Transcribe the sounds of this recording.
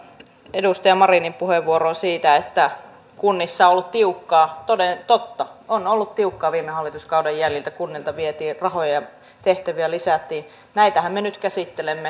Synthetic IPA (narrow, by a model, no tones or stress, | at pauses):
edust̪ɑjɑmɑrinimpuheʋʋuoɾonsiːt̪æet̪ːæ | kunːisːɑolːut̪t̪iukːɑːt̪odet̪ot̪ːɑonolːut̪t̪iukːɑːʋiːmehɑlːˑit̪uskɑudɑjːæljilt̪ækunːilt̪ɑʋiet̪iːrɑhojɑɑ | t̪eht̪æʋiælisæˑt̪ːiː | næit̪æhæmmenyt̪kæsit̪ːelemːe